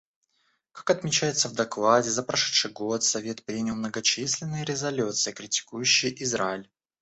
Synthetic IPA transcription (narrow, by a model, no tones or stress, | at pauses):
kḁkɐt̪mʲɪt͡ɕæjɪt̪səvd̪ɐklˠadʲɪzəpɾɐʂɛ̥t̪ʂɨjɡot̪sɐvʲet̪pɾʲinʲɪlˠmnəɡɐt͡ɕisʲlʲɪnːɨjəɾʲɪzɐlʲut̪sɨjəkɾʲɪtʲɪ̥kujɕːɪjʔɪzɾaɪlʲ